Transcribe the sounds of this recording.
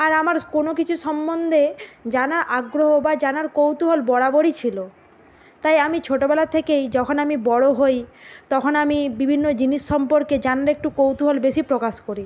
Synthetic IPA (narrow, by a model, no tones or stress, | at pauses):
aɾamaɾkonokit͡ɕʰuʃɔmbond̪ʱed͡ʑanaɾʔaɡɾoɦobad͡ʑanaɾkowt̪uɦolbɔɽaboɽit͡ɕʰilo | t̪ajamit͡ɕʰoʈobɛlat̪ʰekejd͡ʑɔkʰonamibɔɽoɦojt̪ɔkʰonamibibʱinːod͡ʑiniʃːɔmpoɾked͡ʑanaɾek̚ʈukowt̪uɦolbeʃipɾokaʃkoɾi